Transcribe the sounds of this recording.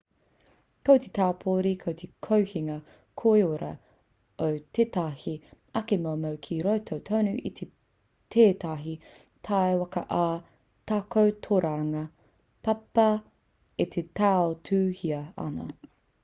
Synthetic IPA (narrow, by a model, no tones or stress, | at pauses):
kowt̪et̪ʰaːpʰoːɾikʰowt̪ʰekʰowhiŋɐ | kʰoeoɾɐ | owt̪ʰetahi | ɐkemoomɐwkʰiɾowtʰowtʰownʉʔit̪ʰe | tʰeːtɐɦi | tʰaewɐkɐʔaː | takowtʰoɾaɾɐŋɐ | pɐpɐ | et̪ʰetaːotʰʉːhiɐɐ̰nɐ̰